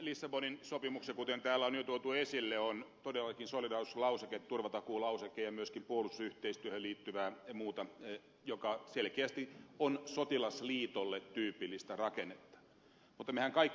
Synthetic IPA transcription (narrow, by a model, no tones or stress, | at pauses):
lisːɑboninsopimuksekut̪ent̪æːlːˑæonjot̪uot̪uesilːeont̪odelːɑkinsolidɑːrslɑuseket̪t̪urʋɑt̪ɑkuːlɑusekːejjɑmyøskimpuolust̪ːɑyht̪eist̪yøhøliːt̪ːyʋæːmuːt̪ɑ | jokɑselkeæst̪ionsot̪ilɑsliːt̪olːet̪tyːpilːist̪ærɑkenːet̪ːɑ̥ | mut̪ːɑmehæŋkɑikː